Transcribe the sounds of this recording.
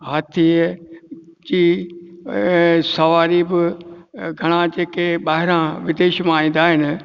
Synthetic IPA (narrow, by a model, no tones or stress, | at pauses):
ɦaːt̪ʰi | d͡ʑiː | sɐʋaːɾibɪ | ɡʱɐɽ̃ãd͡ʑeːkeɓaːɦɪɾãʋɪd̪eːʃmãaːĩːn̆d̪aːɦɪnɪ̆